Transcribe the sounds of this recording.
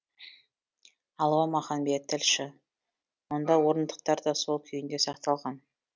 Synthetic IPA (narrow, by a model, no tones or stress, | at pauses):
ɑlˠwɑmɑχɑnbejet̪ʰːɪlʃɪ | wond̪ɑwo̞ɾənd̪əq̚t̪ɑɾd̪ɑso̞lˠkʲʰʏjɪnd̪e̞sɑq̚t̪ɑlˠʁɑn